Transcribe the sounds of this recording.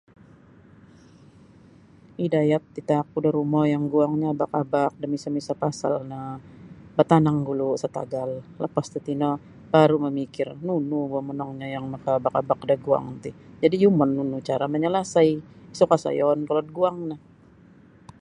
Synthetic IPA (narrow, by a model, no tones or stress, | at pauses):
idajat̪̚ːit̪ak̚udaɾumɔjaŋɡuaŋɲaːbakabak̚damisamisapasa̰lna | bat̪anaŋɡulusat̪a̰ɡalləpast̪at̪inɔ | b̥aɾuməmikɪrnunuuamənɔŋɲajaŋmakaːbakabak̚daɡua̰ŋt̪ɪd͡ʒadijumɔnːunut͡ʃaɾaməɲəlasajisokasa̰jɔnkɔlɔt̪̚ɡuaŋnah